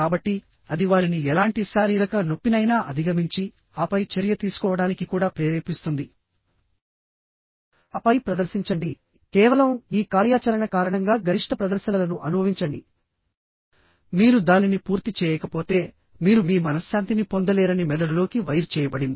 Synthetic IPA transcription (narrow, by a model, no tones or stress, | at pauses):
kaːbɐʈːi | ɐd̪iʋaːɾiniɛlaːɳʈisaːɾiːɾɐkɐno̞pːinɐjnaːʔɐd̪ʱiɡɐmiɲt͡ʃi | aːpɐjt͡ʃɐɾjɐt̪iːsu̥kɔːʋɐɽaːnikikuːɽaːpɾeːɾeːpist̪und̪i | ɐpɐjpɾɐd̪ɐɾsiɲt͡ʃɐɳɖi | kɛːʋɐlɐmiːkaːɾjaːt͡ʃɐɾɐɳɐkaːɾɐɳɐŋɡaːɡɐɾiʂʈʰɐpɾɐd̪ɐɾʃɐnɐlɐnuʔɐnubʱɐʋiɲt͡ʃɐɳɖi | miːɾud̪aːninipuːɾt̪it͡ʃɛːjɛːkɐpo̞ːt̪e̞ː | miːɾumiːmɐnɐsjaːnt̪inipond̪ɐlɛːɾɐnimɛd̪ɐɽulo̞ːkiʋɐjɾt͡ʃɛːjɐbɐɽind̪i